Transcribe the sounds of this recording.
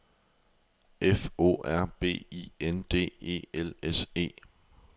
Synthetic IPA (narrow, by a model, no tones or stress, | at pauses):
ʔefo̝̰ːæɐ̰b̥e̝̰ːḭend̥e̝̰ːe̝̰ːelese̝̰ː